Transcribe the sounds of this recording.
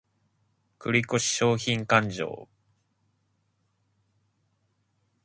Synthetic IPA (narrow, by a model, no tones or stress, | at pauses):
kɯ̟ɾʲiko̞ɕi̥ɕo̞ːçĩŋkãɲd͡ʑo̰ː